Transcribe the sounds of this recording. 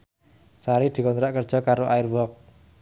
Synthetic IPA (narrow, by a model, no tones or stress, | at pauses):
saɾid̪̥i̤kɔnt̪ɾaʔkərd̥ʒ̥ɔ̤kaɾoʔaɪrwɔk̚